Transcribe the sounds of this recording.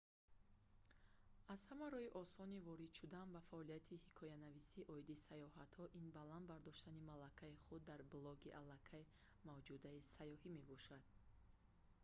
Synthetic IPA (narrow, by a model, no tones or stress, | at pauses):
az̥hamaɾɔiʔɔsɔnivɔɾid̪̥ʃud̪ambafaʔɔliat̪ʰihikʰɔjanavisiʔɔid̪isajɔhat̪hɔʔinbaland̪baɾd̪ɔʃt̪animalakʰaiχud̪ːaɾblɔɡiʔalːakʰaji | mavd͡ʒud̪aisajɔɦime̞bɔʃad̪̥̚